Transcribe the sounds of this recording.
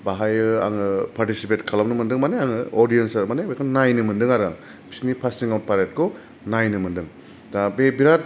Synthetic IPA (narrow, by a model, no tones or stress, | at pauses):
baɦajɯa̰ŋɯpʰaɾtisipetkʰalamnɯmɯndɯŋmaneaŋɯɔɾdijensmanebekʰɔnajnɯmɯndɯŋaɾa̰ŋ | bʰi̥snipʰasiŋawt̚pʰaɾet̚kʰɔ | najnɯmɯndɯŋ | dabebiɾat̚